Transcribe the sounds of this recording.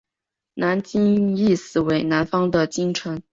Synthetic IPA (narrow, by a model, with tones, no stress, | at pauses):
na˧˥nt͡ɕi˥ŋi˥˩sɹ̩˨˩we˧˥ɪna˧˥nfɑ˥ŋd̪ə˨t͡ɕi˥ŋʈ͡ʂʰə˧˥n